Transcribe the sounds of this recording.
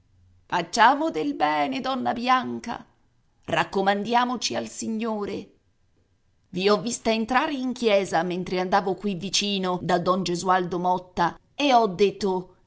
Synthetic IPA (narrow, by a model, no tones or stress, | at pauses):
fat͡ʃːaːmod̪elbɛːned̪ɔnːabjaŋka̰ | rakːomand̪jaːmot͡ʃialsiɲːoːɾe | viɔvːist̪aent̪ɾaːɾeiŋkjɛːzament̪ɾeand̪aːvokwivːit͡ʃiːnod̪ad̪ɔnd͡ʒezuald̪omɔt̪ːa | eɔd̪ːet̪ːo